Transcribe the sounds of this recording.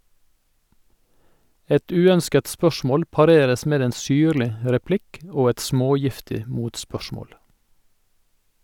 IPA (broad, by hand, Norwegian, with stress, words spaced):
ˈɛt ˈʉːœnskət ˈspœʃmoːl pɑˈɾeːɾəs ˈmeːd ˈeːn ˈsyːɾlɪ ə ɾɛˈplɪk ˈoː ˈɛt ˈsmoːˌjɪftɪ ə ˈmuːtˌspœʃmoːl